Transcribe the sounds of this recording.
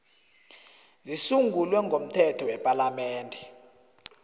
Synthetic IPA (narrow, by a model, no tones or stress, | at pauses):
zisuŋɡʱulwɛŋɡʱom̩tʰɛtʰɔwɛpʼalamɛːndʱɛ